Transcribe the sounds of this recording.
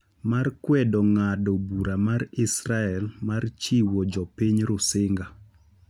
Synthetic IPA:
markwɛdɔŋadɔbuɾamaɾɪsɾaɛlmart͡ʃiwɔd͡ʒɔpiɲɾʊsɪŋɡa

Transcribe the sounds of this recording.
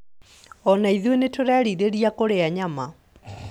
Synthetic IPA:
ɔnaiðwenetoɾaɾiɾeɾiakoɾeaɲama

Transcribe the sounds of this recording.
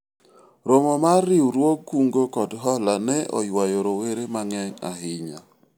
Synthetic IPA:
ɾomomaɾɪwɾwoɡkːuŋɡokɔdɦɔlanɛɔ̰jwajoɾoweɾemaŋɛŋa̰ɦɪɲa̰

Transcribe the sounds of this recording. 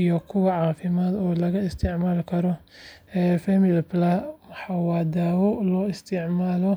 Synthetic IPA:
ijɔkʰʊwɐʕɑːfɪmaːd̪ɔːlɐɣɐɪst̪ʰɪʕmaːlkʰɐɾɔ | ɛːfɛmɪlplɐħɑwaːd̪aːwɔlɔːɪst̪ʰɪʕmaːlɔ

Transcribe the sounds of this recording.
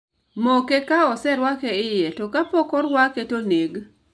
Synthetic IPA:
mokekaɔsɛɾwakeɪjɛtɔkapɔkɔɾwaketoneɡ

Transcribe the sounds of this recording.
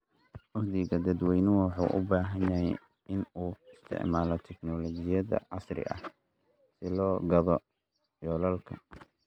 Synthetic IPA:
ʔʊhd̪ɪɣɐd̪ɐd̪wɛjnʊwɑħṵːʔʊ̰baːɦɐnjɐɦɛj | ɪnuːɪst̪ʰɛ̰ʕmaːlɔt̪ʰɛknɔlɔt͡ʃɪjɐðɐ̰ʕɑsrɪ̰ʔɐ̰h | sɪlɔːɡɐðɔ | jɔːlɐlkʰɐ

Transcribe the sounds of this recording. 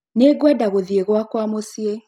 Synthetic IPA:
neɡwadaɣoðieɣwakwamosie

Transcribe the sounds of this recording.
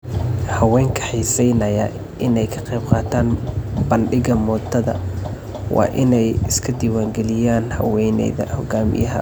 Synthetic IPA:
hɐwɛːŋkʰɐ̥ħiːsɛjnɐjɐ | ʔɪnɛjkʰɐ̥qɛjb̚qɑːt̪ʰaːnbɐnɖɪɣɐmɔːt̪ʰːɐðɐ̰ | wɑ̰ːʔɪnɛjɪskʰɐd̪iːwaːŋɡɛlɪjaːnhɐ̰wɛjnɛ̰jðɐ̰hɔɡaːmɪ̰jɐɦɐ̰

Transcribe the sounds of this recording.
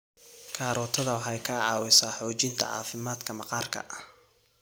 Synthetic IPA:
kʰaːɾɔːt̪ʰɐðɐwɑħɑjkʰɐʕɑːwɪsaːħɔːt͡ʃɪnt̪ʰɐ̰ʕɑ̰ːfɪmaːd̪kʰɐmɐqɑːrkʰɐ̰ʔɐh

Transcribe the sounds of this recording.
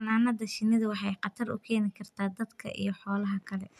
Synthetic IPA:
naːnɐðɐʃɪnɪðɐwɑħɑjqɑt̪ʰɐrʊ̰kʰɛːnɪkʰɐrt̪ʰaːd̪ɐd̪kʰɐ̰ʔḭjɞħɔːlɐɦɐkʰɐlɛ

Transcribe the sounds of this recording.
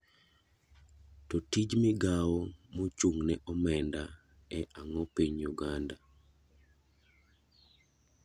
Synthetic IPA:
tɔtid͡ʒmɪɡawɔmot͡ʃuŋnɛʔɔmɛnda | ɛʔaŋɔpiɲjuɡanda

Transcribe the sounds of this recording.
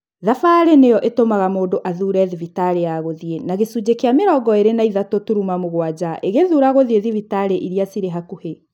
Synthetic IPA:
ðafaɾenejɔʔetomaɣamoːdoʔaðuɾɛðivitaɾejaɣoðienaɣesud͡ʑekeameɾɔːɡɔeɾenaiðatotuɾumamoɣwad͡ʑaʔeɣeðuɾaɣoðieðivitaɾeʔiɾiasiɾeɦakuhe

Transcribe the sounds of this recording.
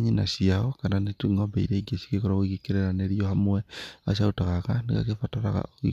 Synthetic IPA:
ɲinasiaɔkananetuŋɔbeiɾeiɡesi̥kekɔɾaoiɣikeɾeɾaneɾiɔhamwɛas̬aotaɣakaneka̰kefataɾa̰ɣa̰oḭ

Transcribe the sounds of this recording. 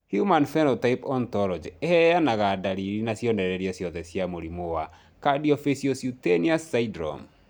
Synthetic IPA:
hjumanfɛnɔtaipɔntɔɾɔd͡ʒehɛjanaɣadaɾiɾinasjɔndɛɾɛɾiasjɔðɛsjamoɾimowa | kadiɔfesiosjuteniasːaidɾɔ̰m

